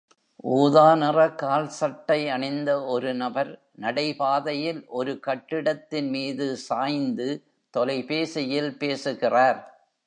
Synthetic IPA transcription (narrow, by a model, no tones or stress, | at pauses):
ʔuːðaːnɪrɐkaːlsɐʈːɐɪɐɳɪnd̪ɐɔɾɯnɐbɐɾ | nɐɽɐɪpaːðɐjɪlʔɔɾɯkɐʈːɪɽɐt̪ːɪnmiːðɯsaːjnd̪ɯ | t̪ɔlɐɪpeːsɛjɪlpeːsɯɣɪraːɾ